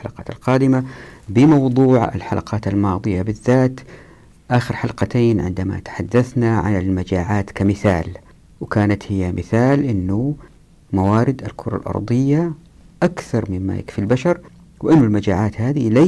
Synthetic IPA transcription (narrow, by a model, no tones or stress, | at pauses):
alɑqɑːt̪alqɑːd̪ɪmabɪmɑwd̪ˤuːʕa̰lħalʔa̰qɑːt̪almɑːd̪ˤɨjabɪðːaːt̪ | ʔaːxɪɾħalqɑt̪eːnʕɪ̰nd̪ama̰t̪ḁħad̪ːaθnaʕa̰nɪlmad͡ʒaːʕaːt̪kamɪθa̰ːl | wɪkaːnat̪hɪjːamɪθaːlʔɪnːʊ | mawaːɾɪd̪alkʰʊɾˤɑ̰lʔɑ̰ɾˤd̪ˤɨjːa | ʔakθɑɾˤmɪmːa̰jɪ̰kfilbaʃɑɾˤ | wɪʔɪnːʊlmad͡ʒaːʕaːt̪haːðila